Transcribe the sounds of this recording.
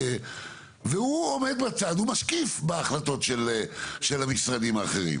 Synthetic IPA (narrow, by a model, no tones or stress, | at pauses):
veuomed̪bat͡sad̪humaʃkifbeaχlat̪o̞tʃeleʃelamisʁad̪imaːχeʁḭm